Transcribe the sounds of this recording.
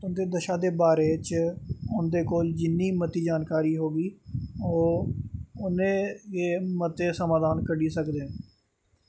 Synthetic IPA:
ʊnd̪eːd̪əʃaːd̪eːbaːɾeːt͡ʃʊnd̪eːkoːld͡ʒɪnːiːmət̪iːd͡ʒaːnkaːɾiːɦoːɡiːoː | ʊnẽːjeːmət̪eːsəmaːd̪ʱaːnkəɖiːsəkd̪eː

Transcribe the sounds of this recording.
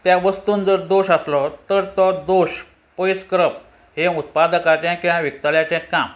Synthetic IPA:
t̪jaʋəst̪uːnd͡zəɾd̪oɕəslɔt̪əɾt̪ɔd̪oɕ | pojskɾəp̚ | heut̪̚pad̪əkat̪jɛ̃kiʋãʋik̚t̪aljat͡ɕɛ̃kam

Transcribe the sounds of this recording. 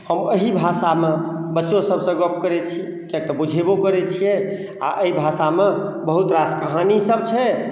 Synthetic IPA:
həməɦibʱasamebətːʃosəbsə̃ɡəpkəɾɛt͡ʃʰi | kek̚t̪ɔbud͡ʒʱebokəɾɛt͡ʃʰijɛ | a̰ʔəibʱasamebəɦut̪ɾaskəɦanisəbt͡ʃʰɛ

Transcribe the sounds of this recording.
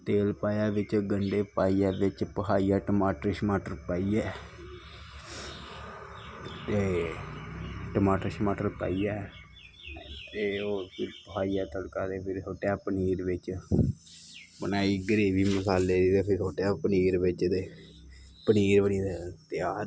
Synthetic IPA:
t̪eːlpaːjaːʋɪt͡ʃɡəɳɖeːpaːiːaːʋɪt͡ʃpəɦʰaːiːaːʈəmaːʈɾɪʃmaːʈəɾpaːiːɛː | eː | ʈəmaːʈɾɪʃmaːʈəɾpa̰ːiːɛː | t̪eːoːpʰɪɾpəɦʰaːiːɛːt̪əɽkaːd̪eːpʰɪɾsoːʈːaːpəniːɾʋɪt͡ʃ | bənaːiːɡəɾiːbiːməsaːlːeːd̪iːt̪eːpʰɪɾsoːʈaːpəniːɾʋɪt͡ʃt̪eː | pəniːɾbəniːd̪ɛːt̪ɪaː

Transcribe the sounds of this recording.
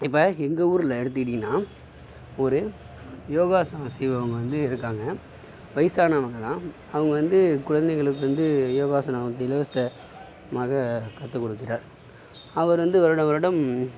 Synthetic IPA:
ɪpːɐɛŋɡɐuːɾɪlɐɛɽɯt̪ːɯkɪɽinːaː | ɔɾɯ | joːɣaːsɐsɛjʋɐɐʋɐŋɡɐʋɐnd̪ɯɪɾɯkːaːŋɡɐ | ʋɐɪsaːnɐːʋɐŋɡɐt̪ãː | ɐʋɐŋɡɐʋɐnd̪ɯkʊɻɐnd̪ɛɣɐɭɯkːɯʋɐnd̪ɯjoːɣaːsɐnɐʋɐnd̪ɯɪlɐʋɐsɐ | maːɣɐkɐt̪ːɯkːɔɽɯkːɪɾaːɾ | ɐʋɐɾʋɐnd̪ɯʋɐɾɯɽɐʋɐɾɯɽɐm

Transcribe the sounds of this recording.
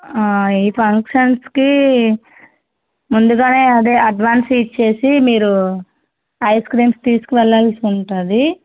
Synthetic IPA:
aːiːpʰɐŋkʂɐnski | mund̪uɡaːne̞ːɐd̪eːɐɖʋaːnsit͡ʃːe̞ːsimiːɾu | ɐjskɾiːmst̪iːsu̥kuʋɛlːɐlsiuɳʈaːnd̪i

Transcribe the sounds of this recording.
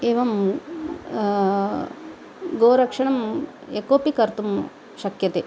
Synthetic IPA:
eːʋɐm | ɡoːɾɐkʂɐɳɐm | ekoːpikɐɾt̪um | ʃɐkjɐt̪e

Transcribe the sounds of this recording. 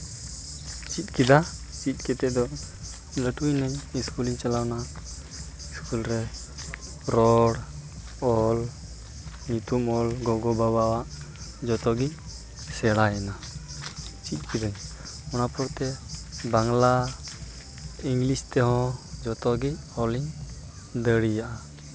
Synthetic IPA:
t͡ʃit̪̚kid̪at͡ʃit̪̚ˀkɛt̪ɛd̪ɔ | ləʈujnɛɲiskuliɲt͡ʃalawna | iskulɾɛ | ɾɔɽ | ɔl | ɲut̪umɔlɡɔɡɔbabawaʔ | d͡ʒɔt̪ɔɡi | sɛɽaɛna | t͡ʃic̪̚ˀkid̪əɲ | ɔnapɔɾt̪ɛbaŋla | iŋɡlist̪ɛɦɔ̃d͡ʒɔt̪ɔɡi | ɔliɲ | d̪əɽijaʔa

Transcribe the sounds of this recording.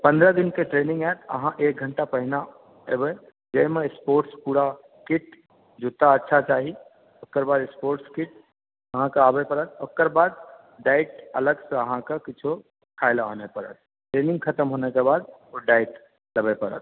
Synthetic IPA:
pənd̪ɾəd̪inkeʈɾenĩŋɡɛt̪ʰə̰ɦãʔek̚ɡʱəɳʈapəɦina | ebe | d͡ʒəjmespoɾʈspuːɽa | kiʈ | d͡ʒut̪ːaətːʃʰat͡ʃaːɦi | okːəɾbaːd̪spoːɾʈskiʈ | əɦãkeaːbepəɾət̪ʰokəɾbaːd̪ | ɖaɪʈələɡsə̃əɦãkekit͡ʃʰo | kʰaɪlaɦonepəɾə̰t̪̚ʰ | ʈɾenĩŋɡkʰət̪əmɦonekebaːd̪̚oɖaiʈ | ləbepəɾə̰t̪̚ʰ

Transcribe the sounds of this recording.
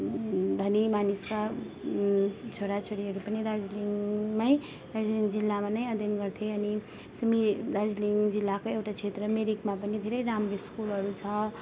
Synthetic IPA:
d̪ʱʌnimaniska | t͡sʰoɾat͡sʰoɾiɦʌɾupʌniɾad͡zliŋmaj | ɾad͡zliŋɡd͡zilːamanʌjʌd̪ʱjʌnɡʌɾt̪ʰjeʌni | sʌmiɾad͡zliŋɡd͡zilːakoewʈat͡sʰet̪ɾʌmeɾikmapʌnid̪ʱeɾʌjɾamɾeskulɦʌɾut͡sʰʌ

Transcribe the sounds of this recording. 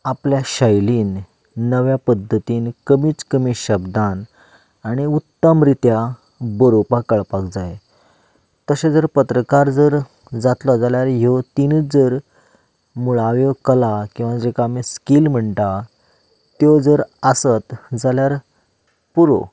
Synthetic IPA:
apljaɕəjliːnː | əʋjapəd̪ʱːət̪iːnkəmiːt͡skəmiɕəbd̪an | aɽ̃iut̪ːəmɾit̪ja | bəɾopakəɭpakd͡zae | t̪əɕed͡zəɾpət̪ɾəkaɾd͡zəɾ | d͡zat̪lɔd͡zaljaɾjot̪ind͡zəɾ | muɭaʋjɔkəlakĩw̃ʋad͡ʑekamiskilm̤əɳʈ̪a | t̪jod͡zəɾəsət̪d͡zaljaɾ | puɾo̰

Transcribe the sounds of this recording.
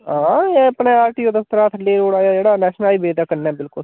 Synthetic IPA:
ɦãːepneːaːɾʈiːoːd̪ət̪ːəɾaːt̪ʰleːɾoːɽaːjaːd͡ʒeːɽaːnɛːʃnaːiːbeːd̪aːkəɾnɛːbɪlkʊl

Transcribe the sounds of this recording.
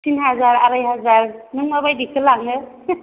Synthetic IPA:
tinɦazaɾaɾajɦazaɾnɯŋmabajdikʰɯlaɡnɯ

